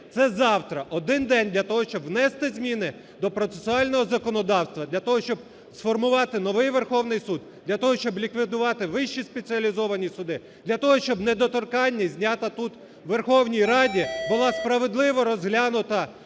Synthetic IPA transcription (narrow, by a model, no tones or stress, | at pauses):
t̪sɛzɑwt̪ɾɐʔɔd̪ɪnd̪ɛnʲd̪lʲɐt̪ɔɦɔʃt͡ʃɔbwnɛst̪ɪzʲmʲinɪ | d̪ɔpɾɔt̪sesʊɑlʲnɔɦɔzɐkɔnɔd̪ɑwst̪ʋɐd̪lʲɐt̪ɔɦɔʃt͡ʃɔb̚ | sfɔrmʊʋɑt̪ɪnɔʋɪjʋerxɔwnɪjsud̪d̪̥lʲɐt̪ɔɦɔʃt͡ʃɔblʲikʋʲɪd̪ʊʋɑt̪ɪʋɪʃt͡ʃispet͡sʲiɐlʲizɔʋɐnʲisʊd̪ɪ | d̪̥lʲɐt̪ɔɦɔʃt͡ʃɔbned̪ɔt̪ɔrkɑnʲːɐzʲnʲat̪ɐt̪ut̪ | ʋerxɔwnʲijɾɑdʲibʊlˠɑspɾɐʋe̞d̪lˠɪʋɔɾɔzɦlʲanʊt̪ɐ